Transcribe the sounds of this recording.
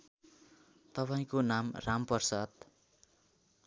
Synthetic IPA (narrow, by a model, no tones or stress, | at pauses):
t̪ʌpaĩkonamrʔampʌrsad̪